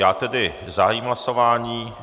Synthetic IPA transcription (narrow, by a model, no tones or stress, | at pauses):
jaːt̪ɛdɪ | zaɦajiːmɦlasovaːɲiː